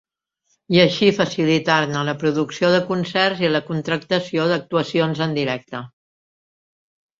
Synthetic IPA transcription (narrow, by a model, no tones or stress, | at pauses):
iəʃifəsilit̪arnələpɾuðuksioðəkunsɛrziləkunt̪ɾək̚t̪əsioðək̚t̪uəsionzənd̪iɾɛk̚t̪ə